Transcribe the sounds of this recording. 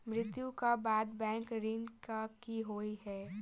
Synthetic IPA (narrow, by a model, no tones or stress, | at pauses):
mɾɪt̪jũkabaːd̪bɛ̃ːŋkɾɪnkakiɦoːiɦɛː